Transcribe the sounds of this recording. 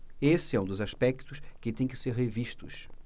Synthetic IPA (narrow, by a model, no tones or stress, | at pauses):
esɪɛũd̪ʊzaʃpɛkt̪ʊʃkɪt̪ẽj̃kɪ̥seɾɦeviʃt̪ʊ̰ʃ